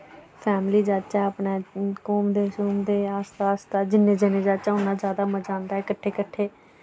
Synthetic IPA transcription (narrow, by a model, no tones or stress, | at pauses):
pʰɛːmliːd͡ʒaːdt͡ʃaːəpnãːkoːmd̪eːɦʊsuːmd̪eːaːst̪aːst̪aːd͡ʒɪnːẽːd͡ʒənẽːd͡ʒaːt͡ʃaːɦʊnːaːd͡ʒjaːd̪aːməd͡ʒãːnd̪aːɦɛːkəʈʰːeːkəʈʰːeː